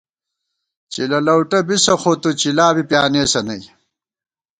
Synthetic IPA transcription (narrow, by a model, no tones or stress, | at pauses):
t͡ɕilɐlɐwʈɐbisɐxot̪ut͡ɕilaːbipjaːneːsɐnɐj